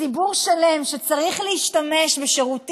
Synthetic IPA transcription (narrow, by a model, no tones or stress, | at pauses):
ibuʁʃalemʃet͡saʁiχlehiʃtame̞ʃbeʃe̞ʁut